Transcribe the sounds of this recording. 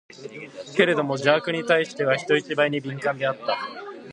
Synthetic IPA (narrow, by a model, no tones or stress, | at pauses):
ke̞ɾe̞d̪o̞mo̞d͡ʑaːkɯ̟ɲ̟it̪aiɕi̥t̪e̞β̞açi̥t̪o̞it͡ɕibaiɲ̟ibʲĩŋkãnd̪e̞at̪ːa